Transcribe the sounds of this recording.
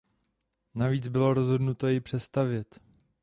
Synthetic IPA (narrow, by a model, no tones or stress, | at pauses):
naviːt͡sbɪlo̞ɾo̞zɦo̞dnut̪o̞jɪpr̝̥ɛst̪avjɛt̪